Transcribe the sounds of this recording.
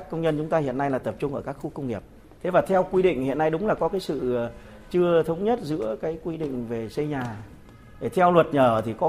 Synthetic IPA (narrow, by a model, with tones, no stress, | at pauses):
kːə˧wŋ͡mɲə˧nt͡ɕʊ˨˦ŋ͡mt̪aː˧hḭ˧˨ənːa˧jlaː˨˩t̪ə˨˩p̚t͡ɕʊ˧ŋ͡mʔəː˧˩kaː˦˥k̚xu˧˦kə˧wŋ͡mŋi˨˩əp̚ | t̪ʰe˨˦vaː˨˩t̪ʰɛ˧wkwi˧ɗḭ˧˨ŋ̟hḭ˧˨ənːa˧jɗʊ˨˦ŋ͡mlaː˨˩kɔ˨˦kaː˨˦jsɨ̰˧˨˩ | t͡ɕɨ˧ət̪ʰə˨˦wŋ͡mɲə˦˥t̚zɨ̰˧˥əkaː˨˦jkwi˧ɗḭ˧˨ŋ̟ve˨˩sə˧jɲaː˨˩ | ɗe˧˩t̪ʰɛ˧wlwə˨˩t̚ɲəː˧˩t̪ʰi˨˩kɔ˨˦